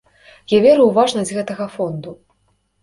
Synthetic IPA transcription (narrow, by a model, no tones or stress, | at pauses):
javʲɛɾɨwvaʐnɐd͡zʲɣɛt̪ɐɣɐfɔnd̪u